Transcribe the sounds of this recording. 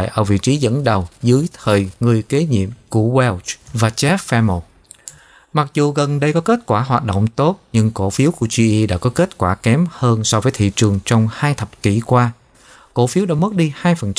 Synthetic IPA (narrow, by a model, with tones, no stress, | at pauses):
jʔə̰ː˧˩vḭ˧˨t͡ɕi˨˦zə̰˧˥nɗə˨˩wzɨ˨˦əjt̪ʰəː˨˩jŋɨ˨˩əjke˨˦ɲḭ˧˨əmku˧˩əwɛ˧wvaː˨˩t͡ɕɛ˦˥f̚fɛ˧mo˨˩t̚ | ma˨˩k̚zu˨˩ɣə˨˩nɗə˧jkɔ˨˦ke˦˥t̚kwaː˧˩ɦwaː˨˩t̚ɗo̰˧˨ŋ͡mt̪o˦˥t̚ɲɨ˧ŋko˧˩fi˨˦əwku˧˩əzi˧ʔi˧ɗa̰ː˧˥kɔ˨˦ke˦˥t̚kwaː˧˩kɛ˨˦mhəː˧nsɔ˧vəː˨˦jt̪ʰḭ˧˨t͡ɕɨ˨˩əŋt͡ɕɔ˧wŋ͡mhaː˧jt̪ʰə˨˩p̚ki˧˩kwaː˧ | ko˧˩fi˨˦wɗaː˧˥mə˦˥t̚ɗi˧haː˧jfə˨˩nt͡ɕ